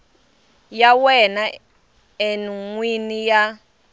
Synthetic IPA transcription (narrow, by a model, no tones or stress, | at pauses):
jawɛna | enuŋwinija